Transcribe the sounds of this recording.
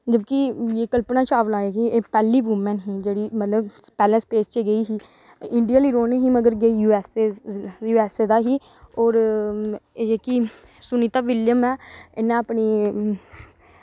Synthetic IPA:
d͡ʒəbkijeːkəlpnãːt͡ʃaːʋlaːeːkieːpɛːliːʋuːmɛ̃ːnɦiːd͡ʒeːɽiːmət̪ləb | pɛːlɛ̃speːst͡ʃeɡəiːɦiː | ɪɳɖijaːliːɾoːneɦiːməɡəɾɡeːjuːɛːseːjuːɛːseːd̪aːɦiː | ɔːɾ | eːki | sʊniːt̪aːʋɪljəmɛːɪnːãːəpniː

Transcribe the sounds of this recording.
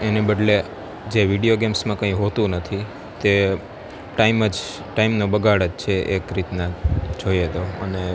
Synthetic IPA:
enebəɖle | d͡ʒeʋiɽijoɡemsmãkə̃ĩɦot̪ũnət̪ʰi | t̪e | ʈaiməd͡ʒ | ʈaimnobəɡʱaɽəd͡ʒt͡ʃʰeʔekɾit̪nad͡ʒʱojed̪oəne

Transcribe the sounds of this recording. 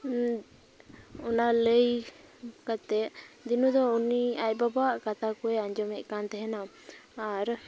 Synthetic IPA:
ɔnaləj | kat̪ɛʔd̪inud̪ɔuniac̚ˀbabaʔkat̪akɔɛaɲd͡ʒɔmɛʔkant̪ɛɦɛnam | aɾ

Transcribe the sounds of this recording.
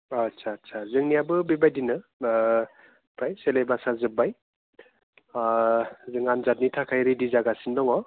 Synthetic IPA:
asʰasʰazɯŋnijabɯbibajdinɯ | pʰɾajselajbasazɯbaj | zɯŋanzat̚nitʰakʰajɾɯdizaɡasindɔŋɔ

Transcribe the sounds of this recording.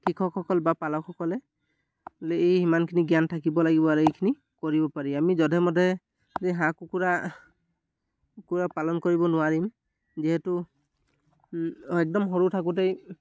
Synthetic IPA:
kikʰɔkʰɔkɔlbapalɔkʰɔkɔlɛ | lejhimankʰiniɡjantʰakibɔlaɡibɔaɹuejkʰini | koɹibɔpaɹiamizɔdʱɛmɔdʱɛ | zeɦãkukuɹa | kuɹapalɔnkɔɹibɔnʊwaɹim | ziɦɛtʊ | ɛk̚dɔmɦɔɹutʰak̬ut̬ej

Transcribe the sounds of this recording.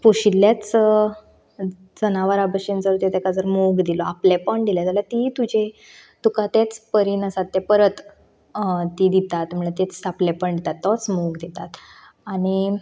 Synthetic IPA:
poɕilːjat͡s | d͡zənaʋəɾabəɕint͡səɾt̪et̪ɛkad͡zəɾmoɡd̪ilɔaplepəɳd̪iljat̪alat̪it̪ud͡ʑʱe | t̪ukat̪et͡spəɾinəsat̪ːɛpəɾət̪ | t̪id̪it̪at̪m̤əɭat̪et͡saplepəɳd̪it̪at̪ːɔt͡smoɡd̪it̪at̪ | aɽ̃i

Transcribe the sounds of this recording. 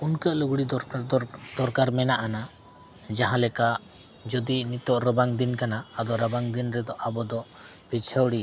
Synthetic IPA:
unkəʔluɡɽid̪ɔ | d̪ɔɾkaɾmɛnaʔana | d͡ʒaɦãlɛkaʔ | d͡ʒɔd̪init̪ɔʔɾəbaŋd̪inkanaːd̪ɔɾəbaŋd̪inɾɛd̪ɔʔabɔd̪ɔʔ | b̥it͡ʃʰəwɽi

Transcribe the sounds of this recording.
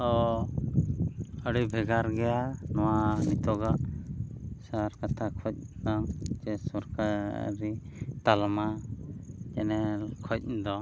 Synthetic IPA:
ɔ | əɽibʱɛɡaɾɡɛjanɔwanit̪ɔɡaʔ | saɾkat̪ʰakʰɔc̚namd͡ʒɛsɔɾka̰ɾit̪alma | d͡ʒɛ̰nɛlkʰɔc̚ˀnd̪ɔ

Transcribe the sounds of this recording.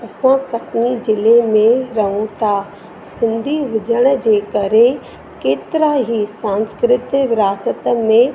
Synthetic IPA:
ɐsãkɐʈnizɪlemẽɾɐɦũt̪ʰa | sɪ̃nd̪ʱiʋʊd͡ʑəɽ̃ə̆d͡ʑeːkɐɾe | keːt̪ɪɾaɦisãːnskɾɪt̪jəʋɪɾaːsət̪əmẽ

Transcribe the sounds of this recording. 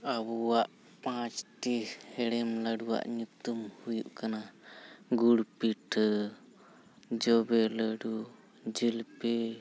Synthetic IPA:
abuwaʔ | pãt͡ʃʈihɛɽɛmlaɖuwa̰ʔɲut̪umhujuʔkana | ɡuɽpiʈə | d͡ʒɔbɛləɖu | d͡ʒilpɛ

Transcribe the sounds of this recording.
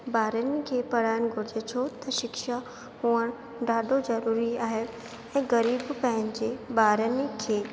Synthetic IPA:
baːɾənikʰeːpɐɽ̤aːjənɡʱʊɾɪd͡ʑet͡ʃʰot̪ɐʃɪkʃa | huəɽ̃ | ɖʱaːɖozɐɾuːɾiaːɦe | ɛ̃ːɡɐɾiːbpɐ̃ɦɪ̃ɲd͡ʑebaːɾənkʰeː

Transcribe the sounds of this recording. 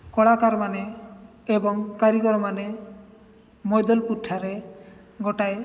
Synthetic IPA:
kɔɭakaɾmaneː | bɔŋkaɾikɔɾɔmane | mɔjd̪ɔlpuʈʰːaɾe | ɡɔʈaj

